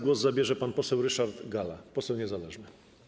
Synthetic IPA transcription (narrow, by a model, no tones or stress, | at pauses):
ɡwɔzzabʲjɛʐɛpanpɔsɛwɾɘʂaɾd̪ɡala̰pɔsɛwɲɛzalɛʐnɘ